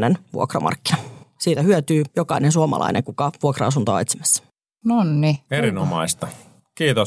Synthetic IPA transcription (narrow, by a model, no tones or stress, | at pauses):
nenʋṵokrɑ̰mɑ̰rkːinɑsiːt̪æhyøt̪yːjokɑinensuomɑ̰lʔɑ̰inʔeŋkukɑʋuokrɑɑs̬unt̪o̰ːet̪simæ̥sːæ̥ | nonːieɾinomɑist̪ɑ | kiːt̪o